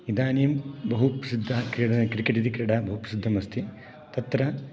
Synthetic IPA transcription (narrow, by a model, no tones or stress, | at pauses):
id̪ʱaːnijɐmbɐɦupɐsid̪ʱːɐkɾkɾikeʈit̪ikɾɐɽɐbɐɦupɐsid̪ʱːɐmɐst̪ʰi | t̪ɐt̪ɾɐ